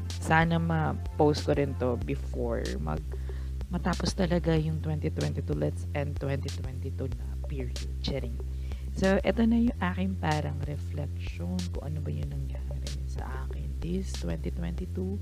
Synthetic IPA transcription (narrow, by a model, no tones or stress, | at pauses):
saːnɐmɐ | powst̪̚koɾɪnt̪o̞bɪfo̰ɹ | mɐ̰ɡ̚ | mɐt̪aːpost̪ɐlɐɡajʊŋt̪wɛnt̪it̪wɛnt̪it̪ulɛt̪sɛ̃nd̪̚t̪wɛ̃nt̪it̪wɛnt̪it̪unɐpiɹudt͡ʃɛɾɪŋ | soʔɛt̪onɐjʊŋʔaːkɪŋpaːɾɐŋɾɛflɛkʃ | onkʊ̰ŋʔɐnobɐjʊŋnɐŋjaːɾɪ | sɐ̰ʔaːkɪnt̪ist̪wɛnt̪it̪wɛ̰nt̪it̪u